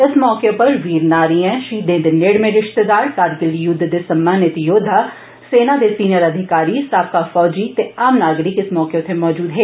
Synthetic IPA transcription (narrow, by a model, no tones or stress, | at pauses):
ɪsmɔːkepɐɾʋiːɾnaːɾiɛ̃ʃiːd̪ẽːd̪eneːɽmẽɾɪʃt̪ed̪aːɾkaːɾɡɪlːijʊd̪ʱːd̪esɐmːaːnjət̪joːd̪ʱːa | seːnad̪esiːnjəɾɐd̪ʱɪkaːɾisaːp̚kafɔːd͡ʒiːt̪eaːmnaːɡɾɪkɪsmɔːket̪ʰemɔːd͡ʒuːd̪ɦeː